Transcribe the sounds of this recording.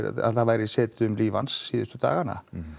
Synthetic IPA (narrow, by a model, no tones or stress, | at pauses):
a̰ðθaðvaːjɾɪsɛːt̪ʏmliːvansːiːðʏst̪ʏt̪a̰ːɣana̰